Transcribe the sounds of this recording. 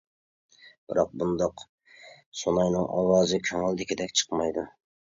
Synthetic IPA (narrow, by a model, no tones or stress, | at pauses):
b̥ɪ̰ɾɑq̚bund̪ɑq | sonɑjnɪŋɒ̰wɑːzɨkʲʰøŋɪlˠd̪ɪkʲʰɪd̪ɛkʲt͡ʃʰɨ̥qmɑjd̪ʊ